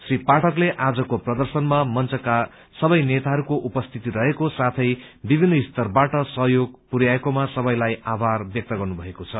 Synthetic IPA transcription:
sripaʈʰʌkleʔad͡zʌkoprʌd̪ʌrsʌnmamʌnt͡sʌka | sʌbʌjnet̪aɦʌɾukoʔupʌst̪ʰit̪iɾʌɦekosat̪ʰʌjbibʱinːʌist̪ʌrbaʈʌsʌɦjoɡ̚puɾjaekomasʌbʌjlajabʱarbjʌk̚t̪ʌɡʌrnubʱʌekot͡sʰʌ

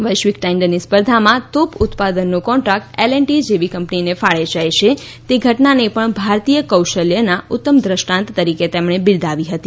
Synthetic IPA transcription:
ʋəjʃʋikʈaɪ̃ɳɖənispəɾd̪ʱamãt̪opʊt̪pad̪ənːukɔ̃ɳʈɾak̚ʈeleɳʈid͡ʒeʋikəmpninefaɭed͡ʒajt͡ʃʰe | t̪eɡʱəʈnanepəɳbʱaɾt̪ijəkəwʃəljənaʊt̪ːəmd̪ɾəʃʈãnt̪ːəɾiket̪emɳebɪld̪ʱaʋiɦət̪i

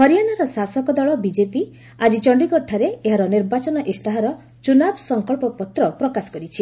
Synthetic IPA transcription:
hɔɾijanaɾɔsasɔkɔd̪ɔɭɔbid͡ʒepi | ad͡ʒit͡ʃɔɳɖiɡɔʈʰaɾeeɦaɾɔniɾbat͡ʃɔnɔʔest̪aɦaɾɔ | t͡ʃunabɔsɔŋkɔɭpɔpɔt̪ɾɔpɾɔkasɔ̥kɔɾit͡ʃʰi

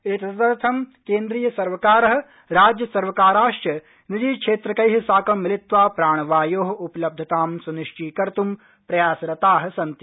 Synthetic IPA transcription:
et̪ɐɐt̪ɐɾt̪ʰɐmkeːnd̪ɾiːjɐsɐɾʋɐkaːɾɐɦɐ̆ | ɾaːd͡ʒjɐsɐɾʋɐkaːɾaːʂʈɐ | nid̪iːkʂeːt̪ɾɐkɐjɦɐsaːkɐmːɪlɪt̪ʋaːpɾaːɳ̃ʋaːjoːɦɐ̆upɐlɐb̚d̪ʱɐt̪aːmsunɪʂʈʰiːkɐɾt̪um | pɾɐjaːsɾɐt̪aːɦɐ̆sɐnt̪i

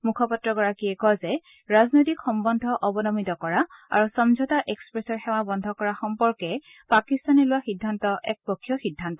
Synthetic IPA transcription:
mukʰɔpɔtɹɔɡɔɹakiɛkɔzɛ | ɹaznojtikxɔmbɔndʱɔʔɔbɔnɔmitɔkɔɹaa̰ɹusɔmzʱɔtaʔekspɹesɔxɛw̃abɔndʱɔkɔɹaxɔmpɔɹkɛ | pakist̪anɔlʊwaxidʱːantɔʔɛk̚pɔkʰːjɔxidʱːant̪ɔ

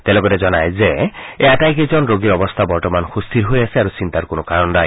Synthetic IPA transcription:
t̪elɔɡɔtezɔnajzeeatajkezɔnɾoɡiɾɔbɔst̪ʰabɔɹtɔmanxust̪ʰiɾɦojasiaɾusint̪aɾkonɔkaɾɔndaj

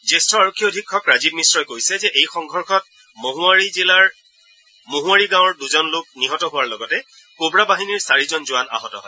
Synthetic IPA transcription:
zestʰɔaɹokʰːiɔodʱikʰːɔkɹazib̚misɹɔjkojsɛzɛʔejxɔŋɡʱɔɹxɔt̚ | moɦʊaɹizilaɹ | moɦʊwaɹiɡãwɔɹduzɔnlʊk̚niɦɔtɔɦʊwaɹlɔɡɔtɛ | kobɹabaɦiniɹsaɹizɔnzʊana̰ɦɔtɔ̰ɦɔj

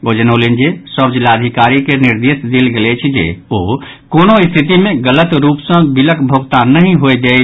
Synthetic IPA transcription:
oːd͡ʒənoːlind͡ʒesəbd͡ʒlaːd̪ʱikaːɾikenɪɾd̪eːsd̪elɡelet͡ʃʰid͡ʒḛoː | koːnõɪst̪ʰɪt̪imẽɡələt̪ɾuːpsə̃bɪləkbʱoɡt̪anəɦĩɦoed͡ʒ̪e

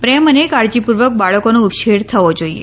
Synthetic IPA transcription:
pɾɛmənekaɾd͡ʒipuɾʋək̚baɭəkonũupʃeɽt̪ʰəʋod͡ʒoiḛ

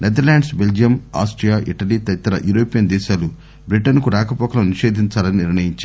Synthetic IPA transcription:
ned̪ɐɾlaːɳɖsbe̞ld͡ʒijɐma̰ːsʈɾijaːʔiʈɐlit̪ɐɾit̪ɐɾɐjuːɾoːpijɐnd̪ɛːʃaːlu | bɾiʈɐnkuɾaːkɐpɔːkɐlɐmniʃe̞ːd̪ʱiɲt͡ʃaːlɐniniɾɳɐjiɲt͡ʃa

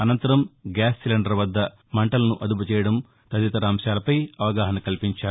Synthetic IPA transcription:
ɐnɐnt̪ɐɾɐmɡaːsːilɐɳɖɐɾʋɐd̪ːɐ | mɐɳʈɐlɐnuʔɐd̪uput͡ʃɛːjɐɽɐm | t̪ɐd̪it̪ɐɾaːmʂaːlɐpɐjɐʋɐɡaːɦɐnɐkɐlipiɲt͡ʃaːɾu

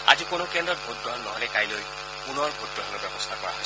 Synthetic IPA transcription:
a̰zikonʊkɛndɹɔt̚bʱut̚dɔnɔɦɔlɛkajloj | punɔɹbʱutːɔanɔbɛbɔst̪ʰakɔɹa̰ɦɔjs

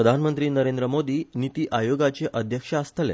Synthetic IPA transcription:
əd̪ʱanmənt̪ɾiːnəɾẽnd̪ɾəmod̪iːnit̪iːʔajoɡat͡ɕeʔəd̪ʱjəkʂəəst̪ʰəlḛ

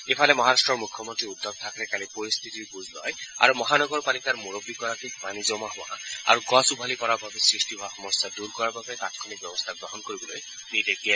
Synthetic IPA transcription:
epʰalemɔɦaɾasʈɹɔɹmukʰːjɔmontɹiud̪ʱːɔb̚t̪ʰakɾɛkalipɔɹist̪ʰit̪iɹbuzʱlɔja̰ɹumɔɦanɔɡɔɹpalikaɹmuɹobːikɔɾakibanizɔmaɦʊwa̰aa̰ɹuɡɔsubʱalikɔɹabʱabesɹisʈiɦɔaxɔmɔst̪ʰaduɾkɔɹababet̪at̪kʰɔnik̚bjɔbɔst̪ʰaɡɹɔɦɔnkoɹibɔloj | nidek̚dia

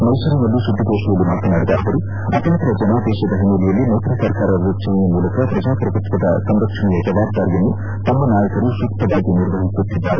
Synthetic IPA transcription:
mɐjsɐɾɐnɐlːusud̪ːiɡoːʂijɐlumaːt̪ɐnaːɽid̪ɐɐʋɐɾu | ɐ̰t̪ɐnɐnt̪ɐɾɐd͡ʒɐnaːd̪ɛːʃɐd̪ɐɦinːɐlijɐlːimɐwt̪ɾɐsɐɾkaːɾɐɾut͡ʃɐjɐjɐmuːlɐkɐpɾɐd͡ʒaːpɾɐpɐt̪kɐd̪ɐsɐmɾɐkʂɐɳɛjɐd͡ʒɐʋaːb̚d̪aːɾijɐnːu | t̪ɐmːɐnaːjɐkɐɾuʃukt̪ɐdaːɡiniɾʋɐɦisut̪ːid̪ːaːɾe

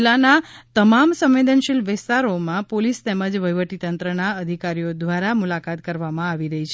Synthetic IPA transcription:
lanat̪əmamsə̃mʋed̪ənʃilʋɪst̪aɾomãpolist̪eməd͡ʒʋəjʋəʈ̪it̪ənt̪ɾənaəd̪ʱikaɾijod̪ʋaɾamulakat̪kəɾʋamãaʋiɾəɦit͡ʃʰ

